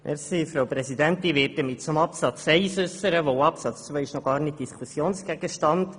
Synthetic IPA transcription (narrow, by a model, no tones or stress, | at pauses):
ʔɛ̰ɾsifɾowpɾɛsidɛnt̪ɪnʋɪːt̚dəmɪt̚t͡sʊmɑpsɑt͡sɛɪsʏsəɾəʋoɑpsɑt͡st͡svɛɪʃnɔɡ̥ɑːɾnɪt̚d̥iskʰusjoːnsɡ̥ɛɡ̥əʃtɑnd̥